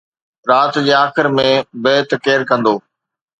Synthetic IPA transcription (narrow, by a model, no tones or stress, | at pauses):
ɾaːt̪d͡ʑeːaːxɪɾmẽbeːt̪keːɾkɐ̃nd̪oː